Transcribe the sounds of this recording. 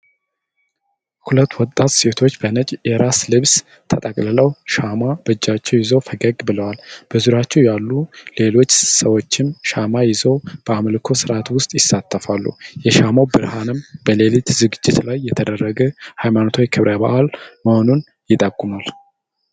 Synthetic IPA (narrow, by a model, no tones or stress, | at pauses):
hulət̪ːwɔt̪ʼːat̪se̞t̪ʰo̞t͡ʃːbənət͡ʃʼjɛɾaslɨβs | t̪ʰət̪ʼəkʼlɨləwʃamabɨd͡ʒːat͡ʃːɛwjɪzəwfəɡəɡbɨləwalb̥əzuɾat͡ʃːɛwjalːule̞lo̞t͡ʃːsəwo̞t͡ʃːɪmʃamajɪzəwb̥əamlkʰo̞sɨɾat̪wʊst̪ʼjɪsːat̪ːəfalːṵjɛʃamowbɨɾhanɨmb̥əle̞lit̪zɨɡɨd͡ʒːɪt̪lajːɛt̪ʰəd̪ərːəɡəhajmanot̪ʰujkʰɨβɾʔəba̰ʔalməho̞nun | jɪt̪ʼəkʼːumal